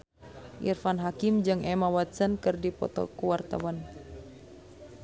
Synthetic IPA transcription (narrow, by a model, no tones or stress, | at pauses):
ʔḭrfanɦakimd͡ʒɨŋɛmawat̪sənkɨrdipɔ̰t̪ɔ̰kuwart̪a̰wan